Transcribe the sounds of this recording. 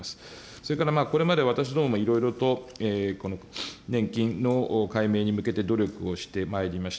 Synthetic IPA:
asɨ̥ | so̞ɾe̞kaɾamaːko̞ɾe̞mad̪e̞β̞at̪aɕ̬id̪oːmomoiɾo̞iɾo̞t̪o̞eːko̞no̞nẽ̞ŋkʲĩnːo̞kaime̞ːɲ̟imɯ̟ke̞t̪e̞d̪o̞ɾʲo̞kɯ̟o̞ɕi̥t̪e̞mae̞ɾʲimaɕi̥t̪

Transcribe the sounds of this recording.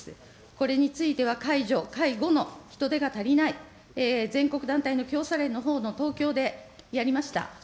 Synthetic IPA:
ko̞ɾe̞ɲ̟it͡sɨit̪e̞β̞akaiʑo̞kaiɡo̞no̞çi̥t̪o̞d̪e̞ɡat̪aɾʲinai | eːzẽ̞ŋko̞kɯ̟d̪ãnt̪aino̞kʲo̞ːsaɾẽ̞nːo̞ɦo̞ːno̞t̪o̞ːkʲo̞ːd̪e̞ | jaɾʲimaɕi̥t̪a̰

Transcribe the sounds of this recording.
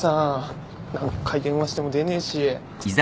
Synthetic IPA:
sa | nãŋkakʰaiɡ̪ẽ̞ɰ̃βaɕi̥t̪emo̞d̪e̞neɕi | z

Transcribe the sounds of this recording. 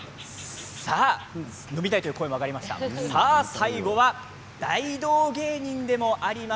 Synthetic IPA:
sa | no̞bʲit̪ait̪ojɯ̟ːkoːemakaɾʲimaɕi̥t̪a̰sasaiɡo̞βa | d̪̥aid̪o̞ːɡe̞ːɲ̟ĩnd̪e̞mo̞ʔaɾʲima

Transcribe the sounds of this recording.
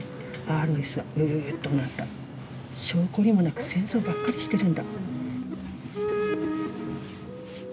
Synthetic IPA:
aːɾoesɨβaɯ̟t̪ːonat̪ːa | ɕo̞ːko̞ɾʲimo̞nakɯ̟̥sẽ̞ɰ̃so̞ːbakːaɾʲiɕi̥t̪e̞ɾɯ̟̃nd̪a

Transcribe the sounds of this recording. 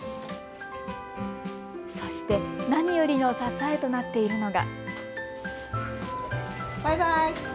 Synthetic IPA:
so̞ɕi̥t̪e̞naɲ̟ijo̞ɾʲino̞sasae̞t̪o̞nat̪ːe̞iɾɯ̟no̞ɡa̰ | b̥ajbaj

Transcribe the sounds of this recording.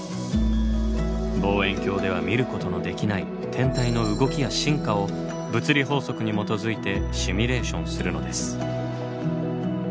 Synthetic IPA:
bo̞ːẽ̞ŋkʲo̞ːd̪e̞β̞amʲiɾɯ̟ko̞t̪o̞no̞d̪e̞kʲinai | t̪ʰẽ̞nt̪aino̞ɯ̟ɡo̞kʲijaɕĩŋkao̞ | bɯ̟t͡sɨɾʲiɦo̞ːso̞kɯ̟ɲ̟imo̞t̪o̞zɨit̪e̞ɕimʲiɾe̞ːɕõ̞ɰ̃sɨɾɯ̟no̞d̪e̞sɨ̥

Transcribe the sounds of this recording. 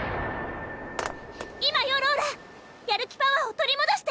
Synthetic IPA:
imajoɾoːɾe | jaɾɯ̟kʲi̥paβaot̪o̞ɾʲimod̪aɕi̥t̪e

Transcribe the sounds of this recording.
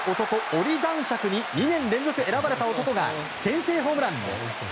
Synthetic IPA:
o̞t̪o̞ko̞oɾʲid̪ãɰ̃ɕakɯ̟ɲ̟iɲ̟inẽ̞nɾẽ̞nd͡zo̞kɯ̟e̞ɾabaɾe̞t̪ao̞t̪o̞ko̞ɡa̰ | sẽ̞ɰ̃se̞ːɦo̞ːmɯ̟ɾãnːo̰

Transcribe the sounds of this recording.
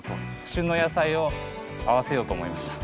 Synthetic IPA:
t̪okɕɨno̞jasaio̞ | aβase̞jo̞ːt̪o̞ːmo̞imaɕi̥t̪ḁ

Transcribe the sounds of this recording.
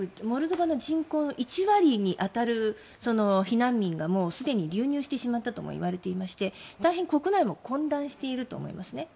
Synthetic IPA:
ɯmo̞ɾɯ̟d̪o̞bano̞d͡ʑĩŋko̞ːnoʔit͡ɕiβaɾʲiɲ̟iʔat̪aɾɯ̟ | so̞no̞çinãmːʲĩŋɡamo̞ːsɨd̪e̞ɲ̟iɾʲɨːɲ̟ɨːɕi̥t̪e̞ɕimat̪ːat̪o̞mo̰ḭβaɾe̞t̪e̞imaɕi̥t̪e̞t̪aiɦẽ̞ŋko̞kɯ̟naimo̞kõ̞nd̪ãɰ̃ɕi̥t̪e̞iɾɯ̟t̪o̞̰ːmo̞̰ḭmasɨne̞

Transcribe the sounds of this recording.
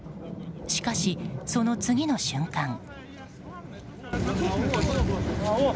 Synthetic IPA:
ɕi̥kaɕiso̞no̞t͡sɨɡʲino̞ɕɨ̃ŋkãŋ

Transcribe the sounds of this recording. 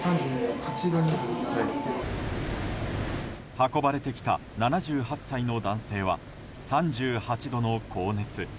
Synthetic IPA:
sãɲd͡ʑɨːhat͡ɕid̪oɲia | hako̞baɾe̞t̪e̞kʲi̥t̪a̰nanaʑɨːhasːaino̞d̪ãɰ̃se̞ːβ̞a̰ | sãɲ̟d͡ʑɨːhat͡ɕid̪o̞no̞kʰo̞ːne̞t͡sɨ

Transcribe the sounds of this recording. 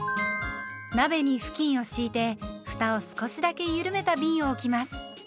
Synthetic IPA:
nabe̞ɲ̟iɸɯ̟̥kʲĩɰ̃o̞ɕiːt̪e̞ɸɯ̟̥t̪aosɨ̥ko̞ɕid̪ake̞jɯɾɯ̟me̞t̪abʲĩɰ̃o̞ːkʲimasɨ̥

